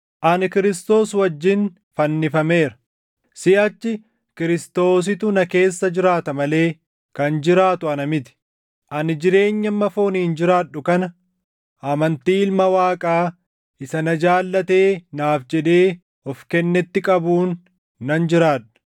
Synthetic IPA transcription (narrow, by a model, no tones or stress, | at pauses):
ʔɐnɪkɪɾɪst̪o̞ːswɐd͡ʒːɪn | fɐnːɪfɐme̞ːɾɐ̥ | sɪɐt͡ʃːɪ | kɪɾɪst̪o̞ːs̬ɪt̪ʊnɐke̞ːsːɐd͡ʒɪɾaːt̪ɐmɐle̞ː | kɐnd͡ʒɪɾaːt̪ʊɐnɐmɪt̪ɪ̥ | ʔɐnɪd͡ʒɪɾe̞ːɲːɐmːɐfoːniːnd͡ʒɪɾaːɗːʊkɐnɐ | ʔɐmɐnt̪iːɪlmɐwaːkʼaː | ʔɪsɐnɐd͡ʒaːlːɐt̪e̞ːnaːfd͡ʒɛᶑ̪e̞ː | ɔfkɛnːɛt̪ːɪkʼɐbuːnː | ɐnd͡ʒɪɾaːᶑʊ̥